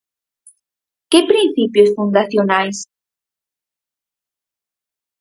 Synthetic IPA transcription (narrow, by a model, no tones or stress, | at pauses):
kɪpɾin̟θipjʊsfund̪aθjonajs